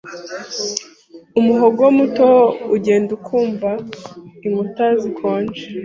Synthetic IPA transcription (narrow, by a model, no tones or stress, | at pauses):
umuɦoɡowomutouɟe̞ːndukʰuːmvaiŋɡutazikʰo̞ːɲd͡ʒe